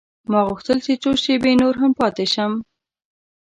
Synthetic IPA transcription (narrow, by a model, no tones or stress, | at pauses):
mɑɣʊxt̪əlt͡ʃet͡ʃoʃebenoɾɦampɑt̪eʃəm